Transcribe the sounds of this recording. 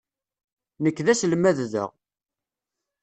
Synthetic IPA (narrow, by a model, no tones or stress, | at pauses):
nəkːðæslmæððə̰ʁ